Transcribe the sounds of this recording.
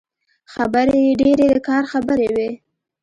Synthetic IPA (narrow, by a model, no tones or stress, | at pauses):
xabəɾeeɖeɾed̪əkɑɾxabəɾewe